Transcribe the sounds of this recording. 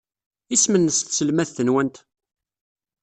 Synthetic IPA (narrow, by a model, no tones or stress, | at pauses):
ismənːəsθsəlmæθθənwænt̪